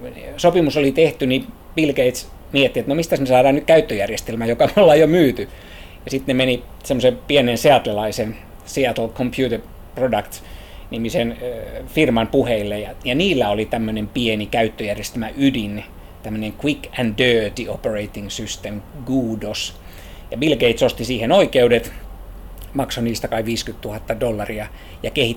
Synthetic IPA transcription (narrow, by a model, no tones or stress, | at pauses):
sopimusolit̪eht̪yni | ʋilkeit̪s | miet̪ːiet̪nomist̪æsmesɑːdɑːnnykkæyt̪ːøjærjest̪elmæjokɑmeolːɑjomyːt̪y | jɑsit̪nemeni | semːosepienenseɑt̪lelɑisen | seɑt̪lkʰompʰjuːt̪er | prodɑkt̪ | nimisenfirmɑmpuheilːejjɑjɑniːlːæolit̪æmːønempienikæyt̪ːøjærjest̪æmæʔydin | t̪æmːøneŋkwikændøːt̪iopereit̪iŋsyst̪emɡuːdos | jɑbilɡeit̪sost̪isiːhenoikeudet̪ | mɑksoniːst̪ækɑiʋʋiːskyt̪t̪uhɑt̪ːɑdolːɑriɑ | jɑkehit̪